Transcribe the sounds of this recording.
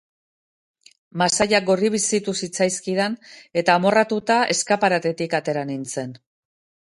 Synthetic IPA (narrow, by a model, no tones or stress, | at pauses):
masajaɡo̞riβ̞isit̪usit͡sajskiðane̞t̪aːmo̞rat̪ut̪aʔe̞skapaɾat̪e̞t̪ikat̪e̞ɾanint͡se̞n